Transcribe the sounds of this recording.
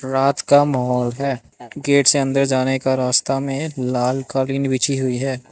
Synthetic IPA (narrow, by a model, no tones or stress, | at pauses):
ɾaːt̪kamɐɦɔːlɦɛː | ɡeːʈseɐ̃nd̪əɾd͡ʒaːnekaɾaːst̪amẽlaːlkaːɾliːnbɪt͡ʃʰiɦʊiɦɛː